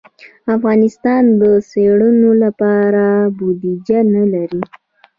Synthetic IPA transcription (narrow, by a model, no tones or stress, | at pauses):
afɣɑnɪst̪ɑnd̪əseɽənolapɑɾabud̪id͡ʒanalaɾi